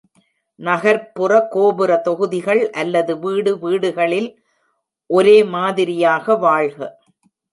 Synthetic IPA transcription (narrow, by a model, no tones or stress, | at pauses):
nɐɣɐɾpːɯrɐkoːbɯrɐt̪ɔɣɯðɪɣɐɭʔɐlːɐðɯʋiːɽɯʋiːɽɯɣɐɭɪl | ʔɔɾeːmaːðɪɾɪjaːɣɐʋaːɻɣɐ